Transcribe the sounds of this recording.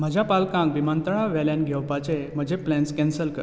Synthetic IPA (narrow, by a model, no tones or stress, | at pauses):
m̤əd͡ʑʱapalkãŋɡbimant̪əɭaʋɛljãnɡʱɛʋpat͡sem̤əd͡ʑʱeplɛnskɛnsəlkə